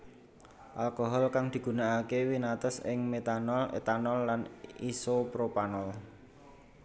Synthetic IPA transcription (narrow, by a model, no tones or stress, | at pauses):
ʔalkoɦɔlkaŋd̪̥i̤ɡ̥ṳnaakewinat̪ɔsɪ̰ŋmet̪anɔlḛt̪anɔlːanisopɾopanɔl